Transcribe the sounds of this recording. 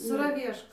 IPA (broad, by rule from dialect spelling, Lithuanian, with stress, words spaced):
sɐrɐˈʋʲiɛʃkoː